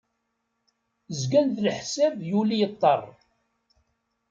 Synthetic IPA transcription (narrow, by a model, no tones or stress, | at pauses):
zɡænðəlħsævjulijət̪ˤːɑ̰rˤ